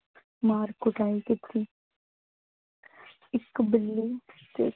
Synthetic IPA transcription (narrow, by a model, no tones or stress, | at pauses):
maːɾkʊʈaːikɪt̪ʰːiː | ɪkbɪlːisḛ